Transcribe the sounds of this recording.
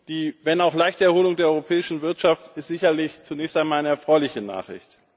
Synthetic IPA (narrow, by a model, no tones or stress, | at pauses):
d̥iːvɛnaʊxlaɪçtəɛɐhoːlʊŋdeːɐɔʏʁopʰɛːɪʃn̩vɪɐtʃaftɪstz̥ɪçɐlɪçt͡sunɛːçstaɪnmaːlaɪnəɛɐfʁ̥ɔʏlɪçəna̰ːχʁɪ̰çt